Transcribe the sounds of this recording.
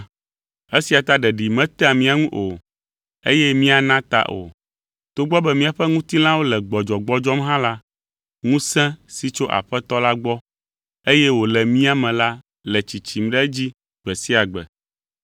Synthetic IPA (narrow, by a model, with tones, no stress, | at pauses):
e˦si˨a˨t̪a˦ɖɛ˨ɖi˨mɛ̃˦t̪ɛ˦a˨mĩ˦a˨ŋũ˦ʔo˨ | e˦jɛ˦mĩ˦a˨nã˦t̪a̰˦ʔo̰˨ | t̪o˦ɡ͡bɔ˦bɛ˦mĩ˦a˨ɸɛ˦ŋũ˦t̪i˦lã˦wo˦lɛ˨ɡ͡bɔ˨d͡ʒɔ˨ɡ͡bɔ˦d͡ʒɔ˦mɦã˦la˦ | ŋũ˦sɛ̃˦si˨t͡ʃo˦ʔa̰˨ɸɛ˦t̪ɔ˦la˦ɡ͡bɔ˦ | e˦jɛ˦wo˨lɛ˨mĩ˦a˦mɛ̃˨la˦ | lɛ˨t͡ɕi˨t͡ɕi˨m˦ɖɛ˦d͡ʑi˦ | ɡ͡bɛ˨si˦a˨ɡ͡bɛ̰˨